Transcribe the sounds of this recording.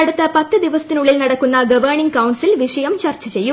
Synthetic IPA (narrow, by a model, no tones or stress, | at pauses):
ɐɽut̪ːɐpɐt̪ːɨd̪iʋɐsɐt̪ːinuɭːilnɐɽɐkːunːɐɡɐʋɐɳiŋɡkɐwɳsilʋiʂɐjɐmt͡ɕɐrt͡ɕːɐt͡ɕejːu